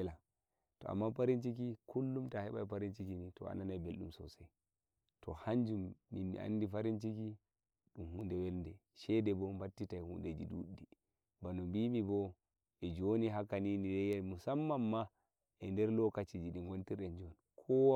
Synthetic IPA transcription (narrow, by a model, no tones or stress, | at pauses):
la | tɔ̰a̰mːapaɾint͡ʃikikulːumtahɛɓajpaɾint͡ʃikinitɔ̰a̰nanajbelɗṵmsɔ̰sa | tʰɔhaɲd͡ʒumːiḭʔa̰ndifaɾint͡ʃiki | ɗumhundɛwɛlndɛ | ʃɛdɛbɔmbatːitajhunded͡ʒidṵɗːi | banumbimibɔ | ɛd͡ʒoniɦakaninidɛjamusamːamːa | ʔɛndɛɾlɔkat͡ʃid͡ʒiɗiŋɡontiɾɛnd͡ʒɔn | kʰɔwa